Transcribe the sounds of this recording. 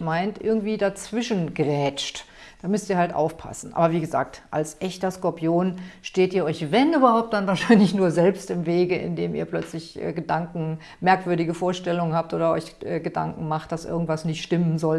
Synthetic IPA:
maɪntʔɪ̰ɐɡŋ̩tv̥iːdat͡sv̥ɪʃn̩ɡʁɛːt͡ʃt | d̥aːmʏstiːɐhaltʔa̰ʊfpʰa̰sn̩ʔa̰ːbɐviːɡəza̰ːk̚tʔa̰lsʔɛçtɐskɔɐpʰjoːnʃteːtiːɐʔɔʏçvɛnyːbɐhaʊp̚t̚d̥anvaːɐʃaɪnlɪçnuːɐzɛlpstɪmveːɡəʔɪ̰ndeːmḭːɐplœt͡slɪçʔɛ̰ːɡədaŋkŋ̩ | mɛɐkv̥ʏɐdɪɡəfoːɐʃtɛlʊŋənhaːp̚tʔoːdɐɔ̰ʏçʔɛːɡəda̰ŋkŋ̩maχt̚d̥asʔɪ̰ɐɡŋ̩tv̥asnɪçtʃtɪmənzɔl

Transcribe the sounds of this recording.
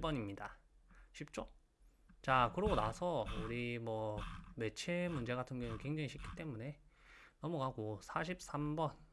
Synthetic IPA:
bʌɲimɲidaɕʰip̚t͡ɕ͈o | t͡ɕakɯɾʌɡonasʰʌuɾimwʌme̞t͡ɕʰe̞mund͡ʑe̞ɡatʰɯnɡjʌŋɯnkweŋd͡ʑaŋiɕʰip̚k͈i̥t͈e̞mune̞nʌmʌkaɡosʰaɕ̬ʰip̚s͈ambʌn

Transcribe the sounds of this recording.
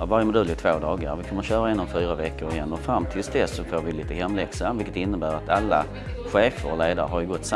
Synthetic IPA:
avaɾjəmʊd̪ɵlːɪt̪ʰvoːd̪ɑːɡə̰ɾvɪkʰɔmːəɾɕœːɾaɛːnɔmfyːɾavɛkːəɾɛnːəfɾamːt̪ʰɪlsd̪ɛsɔfoːɾvɪliːt̪əhɛmːlɛksanvɪlkːə̥t̪ɪnːəbæːɾat̪alːa̰ | ɧeːfə̰ɾleːd̪aɾə̰ɦaɾjɵɡɔt̪ːs

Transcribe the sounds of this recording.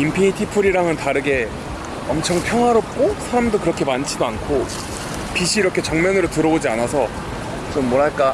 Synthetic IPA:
impʰiɲitʰipʰuɾiɾaŋɯntaɾɯɡe̞ | ʌmt͡ɕʰʌŋpʰjʌŋɦwaɾop̚k͈osʰaɾamdokɯɾʌkʰe̞mant͡ɕʰidoankʰo | piɕʰiɾʌkʰe̞t͡ɕʌŋmjʌnɯɾotɯɾʌod͡ʑianasʰʌ | t͡ɕomːwʌɾɦaɭk͈a

